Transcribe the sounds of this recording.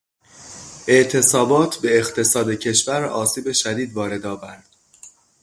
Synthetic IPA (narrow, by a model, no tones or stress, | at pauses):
ʔe̞ʔt̪ʰe̞sɒːbɒːt̪ʰbe̞ːxt̪ʰe̞sɒːd̪ecʰe̞ʃvæɾɒːsiːbe̞ʃæd̪iːd̪vɒːɾe̞d̪ɒːvæɾd̪̥